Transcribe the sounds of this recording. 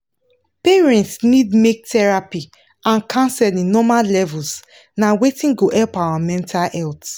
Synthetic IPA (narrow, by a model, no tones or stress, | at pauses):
peɹɛ̃ntsnidmek̚tɛɹapi | ãnkʰãnsɛdĩnnɔmallɛvuls | nawetĩnɡoʔɛlpawamɛ̃ntʰalɛlt